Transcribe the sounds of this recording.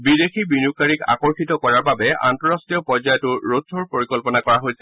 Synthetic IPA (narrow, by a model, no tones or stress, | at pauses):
bidexʰibinukːaɹika̰kɔɹxitɔkɔɹaɹbabɛa̰ntɔɹastɹijɔpɔɹzajɔtʊɹotʰːɔɹpoɹikɔlpɔnakɔɹaɦojsɛ̥